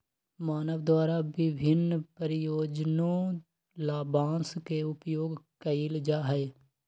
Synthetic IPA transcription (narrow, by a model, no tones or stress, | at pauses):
maːnəʋd̪waːɾaʋɪbʱɪnpəɾɪjoːd͡ʒnõ | laːbãːnskeʊpjoːɡkəɪld͡ʒaːɦɛː